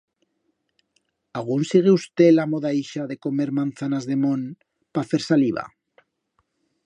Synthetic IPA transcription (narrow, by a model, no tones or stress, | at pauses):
aɣ̞unsiɣeust̪e̞lamo̞ðaiʃaðe̞ko̞me̞ɾmãnθanazðe̞mõn | pafe̞ɾsaliβ̞a̰